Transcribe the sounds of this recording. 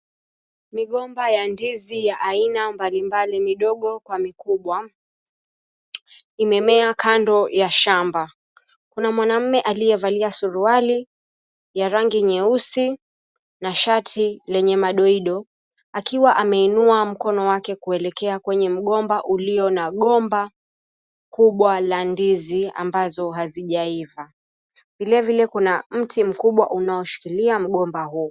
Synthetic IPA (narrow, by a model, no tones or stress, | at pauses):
miɠɔmbajandizijaʔainambalimbalimiɗɔɠɔkwamikuɓwa | imɛmɛakandɔjaʃamba | kunamwanam̩mɛʔalijɛvaliasuɾuali | jaɾaŋɡiɲɛusi | naʃatʰilɛɲɛmaɗɔiɗɔ | akiwaʔamɛinuam̩kɔnɔwakɛkuɛlɛkɛakwɛɲɛm̩ɠɔmbaʔuliɔnaɠɔmba | kuɓwalandizia̰mbazɔɦaziʄaiva | vilɛvilɛkunam̩tim̩kuɓwa̰ʔunaɔʃi̥kiliam̩ɠɔmbahuː